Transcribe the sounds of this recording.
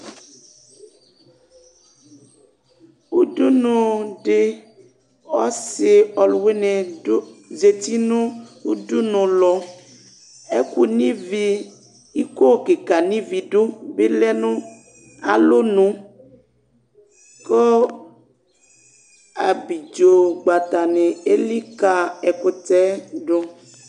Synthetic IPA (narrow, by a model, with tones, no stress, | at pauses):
u˦du˦nu˨ɖe˨ | ɔ˦sɪ˨ɔ˨lwe˦nɛ˨˦ | ze˨t̪i˦nũ˦u˦du˦nũ˨lɔ˨ | e˦ku˨nĩ˦vi˨ | i˦ko˦˨ke˨ka˨nĩ˦vi˨ɖo˦be˦lɛ˦nũ˦ | a̰˨lo˦nũ˦ | kɔ˦ | a˨bi˨d͡ʒo˨ɡ͡ba˨t̪a˨ne˨e˦li˦ka˨e˨ko˨t̪ɛ˦ɖo˦